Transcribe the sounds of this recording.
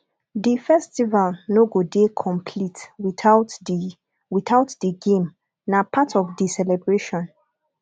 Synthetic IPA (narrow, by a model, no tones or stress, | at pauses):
difɛstivalnoɡodekʰɔ̃mpʰlitw | witaʊtdiɡẽm | napʰatɔvdisɛlɛbɹeʃɔ̃n